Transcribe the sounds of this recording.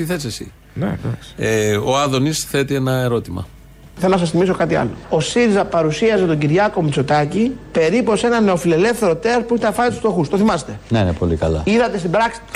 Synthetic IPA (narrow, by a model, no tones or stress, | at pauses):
t̪iθesesḭ̥ | eoɐðo̞nisθe̞t̪ienɐe̞ɾo̞t̪imɐ̰ | θelonɐsɐsθimiso̞kɐt̪iɐ̰lo̞o̞siɾizɐpɐɾusiɐzet̪oɟiɾʝɐko̞mit͡so̞t̪ɐcipe̞ɾipo̞se̞nɐne̞o̞file̞le̞fθe̞ɾo̞t̪espuiçt̪ɐnfɐnit̪ust̪o̞xust̪o̞θimɐse̥t̪e̞neinepolikɐlɐ̰iðɐt̪est̪ibɾɐksi̥